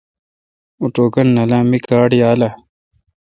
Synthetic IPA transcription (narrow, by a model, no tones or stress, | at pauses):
uʈoːkɐnːɐlãːmikaːɽjaːla